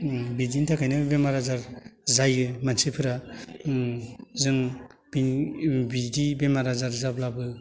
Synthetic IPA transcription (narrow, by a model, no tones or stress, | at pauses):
bidintʰakʰajnɯbemaɾazaɾzajɯmansɯpʰɯɾa | zɯŋb̥inbiɡibemaɾazaɾzablabɯ